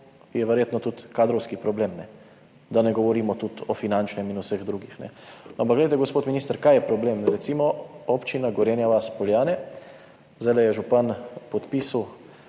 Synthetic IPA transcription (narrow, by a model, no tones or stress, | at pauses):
jɛʋɛɾjeːt̪nɔt̪ut̪kaːd̪ɾɔwskipɾɔbleːmnɛ | d̪anɛɡɔʋɔɾiːmɔt̪ut̪ɔfinant͡ʃnɛminusəɣd̪ɾuːɡixnɛ̰amp̬aɡlɛjt̪ɛɡospoːt̪miniːst̪əɾkajɛpɾɔbleːmɾɛt̪simɔopt͡ʃinaɡɔɾjeːnjaʋaspɔljaːnɛ | zd̪ajlɛjɛʒupanpɔt̪piːsu